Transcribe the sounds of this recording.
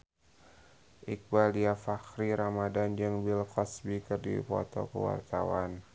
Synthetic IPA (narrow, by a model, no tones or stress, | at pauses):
ʔik̚baliafakɾiɾamadand͡ʒɨŋbilkɔsbikərdḭpɔ̰t̪ɔ̰kə̰wa̰rt̪awan